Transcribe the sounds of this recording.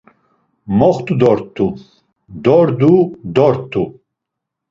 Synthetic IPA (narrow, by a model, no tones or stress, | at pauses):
mɔχt̪ʰʼud̪ɔɾt̪ʰʼːu | d̪ɔɾd̪ud̪ɔɾt̪ʰʼːu